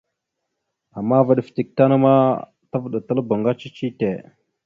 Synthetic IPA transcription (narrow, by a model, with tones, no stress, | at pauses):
a˨mːa˦və˦ɗə˨fti˨k̚ta˦nə˦ma˦ | tə˦vɗə˨tə˦lbə˨ŋɡa˦t͡ʃi˦t͡ʃi˦te˨